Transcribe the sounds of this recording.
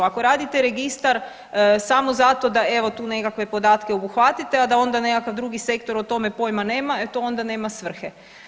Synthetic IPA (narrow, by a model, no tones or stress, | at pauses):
ako̞ɾaːd̪it̪eɾe̞ɡist̪aɾ | samo̞zat̪o̞d̪ae̞ʋo̞t̪uːne̞kakʋe̞po̞d̪aːt̪keobuxʋat̪it̪ead̪ao̞nd̪ane̞kakaʋd̪ɾuɡise̞kt̪o̞ɾot̪o̞me̞po̞jmane̞ːmaet̪oo̞nd̪ane̞ːmasʋr̩xe